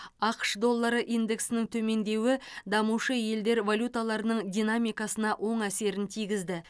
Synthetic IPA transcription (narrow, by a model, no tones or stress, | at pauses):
ɑqə̥ʃd̪o̞lˠːəɾəʔind̪e̞ksɪnɪŋt̪ʰɵme̞nd̪e̞wɪd̪ɑmuʃəje̞ld̪e̞ɾvolʲut̪alˠɑɾənəɴd̪ʲijnamijkɑsənɑʔwʔo̞ɴæse̞ɾɪnt̪ʰijɡʲɪzd̪ɪ